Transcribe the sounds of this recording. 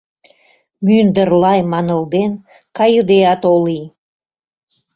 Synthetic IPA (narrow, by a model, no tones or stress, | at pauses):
mynd̪ərlˠɑjmɑnə̆lˠd̪en | kʰɑjud̪eɑt̪olˠij